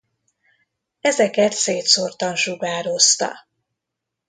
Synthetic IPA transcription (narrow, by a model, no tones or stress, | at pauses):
ɛzɛkɛt̪seːt̪sort̪ɒnʃuɡaːɾo̞st̪ɒ̰